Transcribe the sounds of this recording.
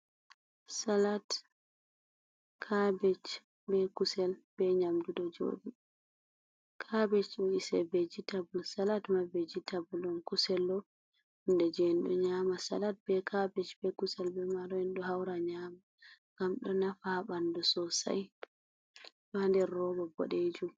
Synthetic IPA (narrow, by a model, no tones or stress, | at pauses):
salat | kʰabɛt͡ʃ | bɛkusɛlb̥ɛɲamdudɔd͡ʒo̰ːdi | kʰabɛt͡ʃɔisɛbɛd͡ʒitabulsalatmabɛd͡ʒitʰabuldɔnkusɛlːɔ | hundɛd͡ʒɛnɗɔ̰ɲaːmasa̰lat̚bɛkʰabɛt͡ʃbɛkusɛlbɛmaɾɔɛnɗɔɦawɾaɲama | ŋɡ̥amɗɔnafabandɔsɔsa̰j | bandɛːɔɡɔbɔ̰ɗed͡ʒum